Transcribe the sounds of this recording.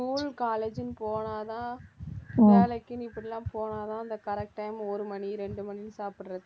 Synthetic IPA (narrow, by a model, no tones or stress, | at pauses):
uːlkaːleːd͡ʒɪnpoːnaːt̪ãː | ɪaːlɐkːɪnɪpːɐɽɪlãːpoːnaːt̪ãːɪnd̪ɐkɐɾɛk̚ʈːɐɪmɔɾɯmɐniɾɛɳɖɯmɐninsaːpɪʈːɾɐðɯ